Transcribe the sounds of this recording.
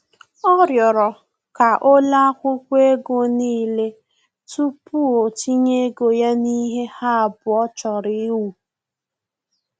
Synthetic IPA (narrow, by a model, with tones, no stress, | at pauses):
ɔ˦ɾjɔ˨ɾɔ˨ | ka˨ʔo˦la˦kʷʊ˦kʷe˦ɡo˦niː˦˨le˦ | tu˦pu˦o˨t͡ʃi˦ɲe˦ɡo˨ja˦ni˦ɦe˦ha˦a˨bʊ˨ɔ˦t͡ʃɔ˨ɾɪ˦wu˨